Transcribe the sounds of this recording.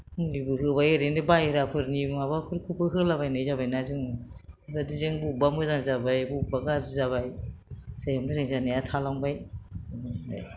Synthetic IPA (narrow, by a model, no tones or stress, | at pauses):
libɯɦɯbajɯɾendɯbajɾapʰɯɾnibŋabapʰɯɾkʰupʰɯɦɯlabajnɯjzabajnazɯŋnɯbadizɯŋbubamɯzaŋzabajbubaɡazizaβajsajambɯzaŋzaniatʰalaŋbajadizaba̰j